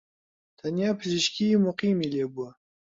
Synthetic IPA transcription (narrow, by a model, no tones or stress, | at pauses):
t̪ʰanjapʰɨziʃkʲʰiːmuqiːmileːbuɐ